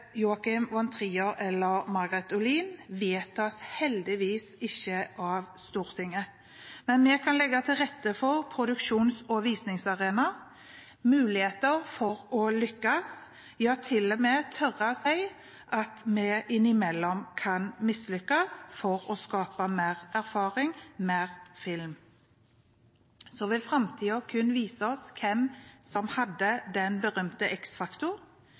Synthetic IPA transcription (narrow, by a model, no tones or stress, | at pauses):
juːɑkɪmʋɑnt̪ʰɾiːəɾɛlːəɾmɑɡɾɛt̪ʊliːnʋeːt̪ɔshɛld̪ɪʋiːsɪçːəʔɑʋst̪uːɾt̪ʰɪŋːə | mɛnmɛkʰɑnlɛɡːɑt̪ʰɪlʁɛt̪ːəfɔʁpʰɾʊd̪ʉkʃuːnsɔʋiːsnɪŋsɑʁeːnɑ | mʉːlɪheːt̪əɾfɔɾɔlʏkːɑs | jɑːt̪ʰɪlːɔmɛt̪ʰœʁəsæɪ | ʔɑt̪mɛʔɪnɪmɛlːɔmkʰɑnmɪslʏkːɑsfɔʁɔskɑːpəmeːʁæʁfɑːʁɪŋmeːʁfɪlm | sɔʋɛfʁɑmt̪ʰiːɔkʰʉnʋiːsəɔskʰɛmsɔmhɑd̪ːəd̪ɛnbəʁœmt̪əʔɛksfɑkt̪ʊʁ